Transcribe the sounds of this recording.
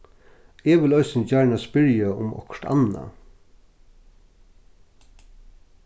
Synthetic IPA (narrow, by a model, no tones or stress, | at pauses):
ɛʋɪlɔjsɪnt͡ʃæɹɳaspɪɾjaʊ̰mɔ̰kʃt̪a̰nːa̰